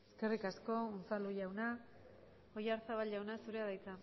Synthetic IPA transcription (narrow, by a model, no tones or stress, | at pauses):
eske̞rikasko̞unt͡saluʝawna | ojaɾt͡saβalʝawnasuɾe̞aðajt͡sa